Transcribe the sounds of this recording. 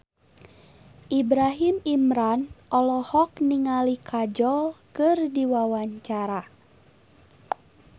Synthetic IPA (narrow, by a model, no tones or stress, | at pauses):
ʔibɾaɦimimɾanɔlɔhɔkniŋalikʰad͡ʒɔlkɨrdiwawaɲt͡ʃaɾa